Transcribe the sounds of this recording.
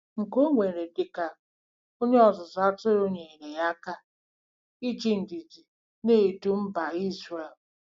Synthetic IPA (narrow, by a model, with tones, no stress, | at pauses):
ŋ̩˨ko˦ŋʷe˨ɾe˨dɪ˨ka˨ | o˦ɲe˦ɔ˨zʊ˨za˦tʊ˦ɾo˦ɲe˨i˨ne˨ja˦ka˦ | i˦t͡ʃi˦n̩˨di˨d͡ʒi˨ | ne˦˨du˦m̩˦ba˨i˦zɾe˨l